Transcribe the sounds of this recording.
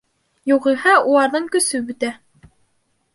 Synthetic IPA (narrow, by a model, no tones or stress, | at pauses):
juʁiɦɑulˠɑɾðɤɴkɵ̆sɵbɵ̆t̪æ